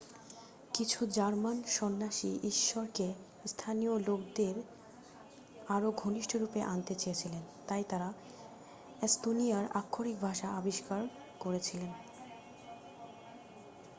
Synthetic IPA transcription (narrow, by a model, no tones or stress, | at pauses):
kit͡ɕʰud͡ʑaɾmanʃɔnːaʃiʔiʃːoɾke | st̪ʰaniolok̚d̪eɾ | aɾoɡʱoniʃʈʰoɾupeʔant̪et͡ɕejet͡ɕʰilen | t̪ajt̪aɾa | est̪onijaɾakʰːoɾik̚bʱaʃaabiʃkaɾ | koɾet͡ɕʰilen